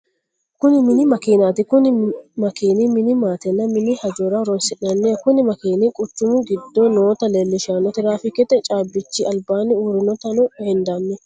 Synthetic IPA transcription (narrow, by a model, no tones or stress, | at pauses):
kʊnɪmɪnɪmɐkiːnat̪ɪkʊnɪmɐkiːnɪmɪnɪmaːt̪ɛnːɐmɪnɪhɐd͡ʒɔɾɐɾɔnsɪʔɐnːekʊnɪmɐkiːnɪkʼʊt͡ʃːʊmʊɡɪd̪ːɔnoːt̪ɐlelːɪʃaːnːɔt̪ɪɾaːfɪkɛt̪ɛt͡ʃʼaːbːɪt͡ʃːɪɐlbaːnɪuːɾɪnɔt̪ɐnɔhɛnd̪anːɛ